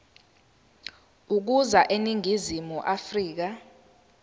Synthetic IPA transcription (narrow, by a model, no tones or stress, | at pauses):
uk̬uzaʔeniŋʱizimuʔafriːk̬a